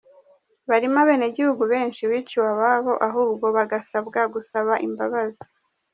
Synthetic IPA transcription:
βaɾimaβe̞ːneɟihuɡuβe̞ːnʃiwiːt͡ʃiwaβaβo̞ʔaɦuːbɡo̞βaɡasabɡaɡusaβaʔimbaβazi̥

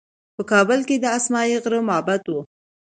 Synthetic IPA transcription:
pəkɑbəlked̪əasmɑjiɣɾəmʊɦabat̪wu

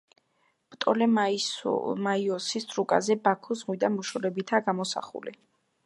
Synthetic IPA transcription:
b̥t̪ʼɔlɛ | maiɔsist̪ʰʼɾukʼa̰zɛbakʰɔzʁwid̪amuʃɔɾɛbit̪ʰaːɡamɔsa̰χṵlḭ

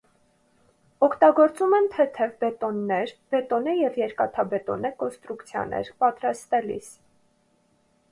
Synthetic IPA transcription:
ɔkʰt̪ɑɡɔɾt͡sumɛnt̪ʰɛt̪ʰɛvbɛt̪ɔnːɛɾb̥ɛt̪ɔnəjɛvjɛɾkɑt̪ʰɑbɛt̪ɔ̰nəkɔnst̪ɾukt͡sʰjɑ̰nɛ̰ɾpɑt̪ɾɑst̪ɛlḭs

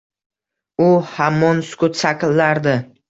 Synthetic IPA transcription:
ʊhamːɒnsʊ̥kʊt̪saqɨlːaɾd̪ɪ

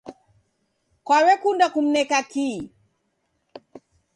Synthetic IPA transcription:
kwawɛkundakum̩nɛkaki

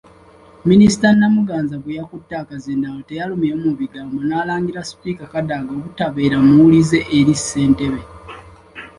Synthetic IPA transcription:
minisi̥tanːamuɡaːnzaβujakutːaːkazendawote̞jalumiomuβiɡaːmbo̞naːlaːŋɡiɾasi̥pikakadaɡokutaβe̞ːɾamulize̞ʔːɾisːe̞ːnte̞βe

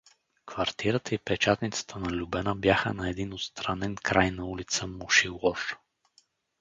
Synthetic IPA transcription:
kvɐɾt̪iɾət̪əipɛt͡ʃat̪nit̪sə̥t̪ʰənɐlʲubɛnəbjaxə̰nɐɛd̪inot̪st̪ɾanɛnkɾajnɐulit̪səmuʃilɔɾ

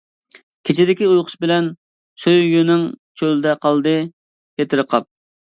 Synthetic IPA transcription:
kʲʰet͡ʃʰɪd̪ɪkʲiujqʰʊ̥ʃbɪlɛn | søjjynɪŋt͡ʃʰøld̪ɛqʰɑlˠd̪ɨ | kʰet̪ʰɪɾəqʰɑp̚

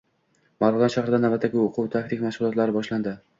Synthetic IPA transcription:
maɾd̪anʃaχɾɪd̪anavbat̪ʰːaɡʲɪoqʰʊwt̪ʰak̚t̪ʰɪkʲmaʃʁʊlˠɒt̪laɾɪbɒʃland̪ɪ

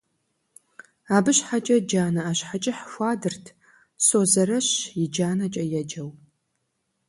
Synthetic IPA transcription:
aːbɨɕħat͡ʃʼɐd͡ʒaːnɐaːɕħat͡ʃʼɪħxʷaːdɨrtʰ | soːzɐrɐɕjɪd͡ʒaːnɐt͡ʃʼɐjɛd͡ʒɐw

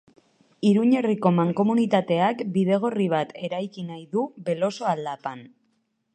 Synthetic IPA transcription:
iɾuɲe̞riko̞maŋko̞munit̪at̪e̞akbiðe̞ɣ̞o̞riβ̞at̪e̞ɾajkinajðuβe̞lo̞so̞ald̪apan

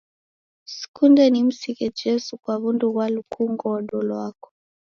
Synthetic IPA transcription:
si̥kundɛnim̩sikɛd͡ʒɛsukwaβunduβwalukʰuŋɡɔɗɔlwakɔ̥

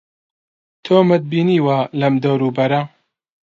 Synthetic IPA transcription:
t̪ʰoːmɨt̪̚biːniːwaːlɐmd̪ɐwɾuːbɐɾɐ

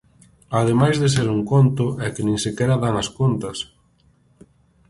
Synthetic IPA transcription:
aðemajzðes̬eɾuŋkont̪ʊʔɛkɪnẽŋsekɛɾɐðaŋɐskont̪ɐs

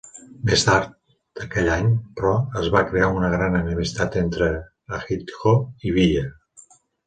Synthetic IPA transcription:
mest̪aɾt̪̚ | d̪̥əkɛʎaɲpɾɔəzβakɾeaunəɣɾanənimist̪at̪ent̪ɾəː | xit̪ɣoiβiʎə

